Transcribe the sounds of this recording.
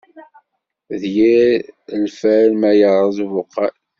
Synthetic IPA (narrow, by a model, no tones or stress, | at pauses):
ðjiəlfælmæjəɾˤəðˤuvʊqːæl